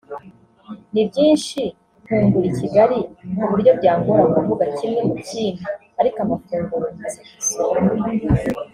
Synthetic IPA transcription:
nibɟiːnʃi | huːŋɡuɾiciɡaɾin̥uβuɾjo̞bɟaːŋɡuɾauuvuɡacimŋemuciːnaː | ɾikamafuːŋɡuɾuze

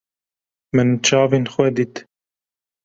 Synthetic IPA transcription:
mɪnt͡ʃɑːvinxwɛd̪it̪

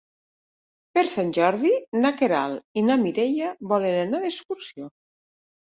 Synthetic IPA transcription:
peɾsanʲʒɔɾðinakeɾa̰linamiɾeʎaβɔlenanaðeskuɾsio

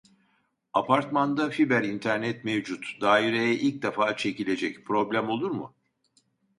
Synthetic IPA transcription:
apʰaɾt̪mand̪afibæɾint̪ʰæɾnɛt̪mevd͡ʒut̪d̪aːiɾejɛʔilʲc̚d̪efaːt͡ʃʰe̞cilʲe̞d͡ʒɛcpʰɾo̞blʲæmo̞lˠuɾmʊ̰

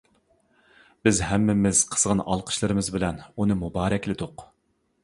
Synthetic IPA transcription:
b̥ɪzhɛmːɪmɪz̥qʰə̥z̥ʁɑnɑ̰lˠqʰə̥ʃlˠɨɾɨmɨzbɪlɛnunɨmubɑːɾɛkʲlɪd̪ʊq

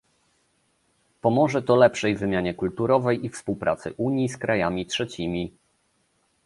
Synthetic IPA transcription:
pɔmɔʐɛt̪ɔlɛpʂɛjvɘmʲjaɲɛkult̪uɾɔvɛjifspuwpɾa̰t̪sɘ̰ʔuɲjiskɾajamʲitʂɛt͡ɕimʲi

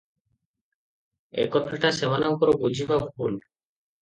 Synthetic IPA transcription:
ḛkɔt̪ʰːaʈasebanawkɔɾobud͡ʑʱibabʱul

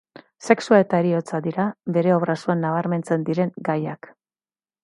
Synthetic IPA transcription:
se̞ksuae̞t̪aeɾio̞t͡sad̪iɾabe̞ɾe̞o̞βɾasuanːaβ̞aɾme̞nt͡se̞nd̪iɾe̞ŋɡajak

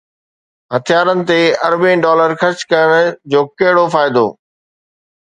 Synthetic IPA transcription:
ɦɐt̪ʰijaːɾənɪ̆t̪eɐɾbẽɖɔːləɾxɐt͡ɕkɐjəɽ̃d͡ʑoːkɐɦɪɽofaːɪd̪o̰ː

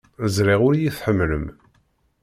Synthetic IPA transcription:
əzɾiʁʊɾjiθħəmːlə̰m

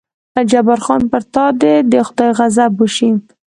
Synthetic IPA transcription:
ad͡ʒabaɾxɑnpəɾt̪ɑd̪ed̪əxʊd̪ɑjɣazabuʃin

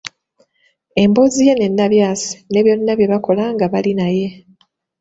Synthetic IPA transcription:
e̞mbo̞zije̞ne̞nːaβjaːsi̥ne̞βjo̞nːaβje̞βako̞laŋɡaβalinaje̞

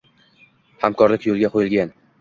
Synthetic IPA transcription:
hamkʰɒɾlɪkʲjolˠɡʲaqʰojɪlˠɡʲan

